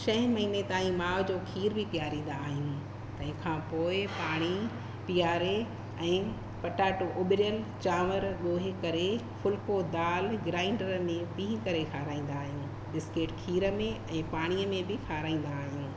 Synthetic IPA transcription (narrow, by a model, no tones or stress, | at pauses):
ʃɐ̃ɦɪ̃mɐɦiːnet̪aːĩmaːʋd͡ʑoːkʰiːɾbʱɪpijaːɾĩːn̆d̪aːɦijũ | t̪ɐ̃ɦɪ̃kʰãːpoːɪpaːɽ̃i | pijaːɾe | ɛ̃ː | pɐʈaːʈoʔoːɓɪɾjəlt͡ɕaːʋəɾɠoːɦɪkɐɾe | fʊlkod̪aːlɡɾaːɪ̃ɳɖəɾmẽpĩːɦkɐɾekʰaːɾaːĩːn̆d̪aːɦijũː | ɗɪskeːʈkʰiːɾə̆mẽɛ̃ːpaːɽ̃iəmẽbɪkʰaːɾaːĩːn̆d̪aːɦijũː